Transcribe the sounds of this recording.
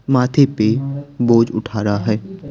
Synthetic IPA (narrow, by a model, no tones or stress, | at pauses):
maːt̪ʰepeboːd͡ʒʊ̰ʈʰaːɾaɦɛː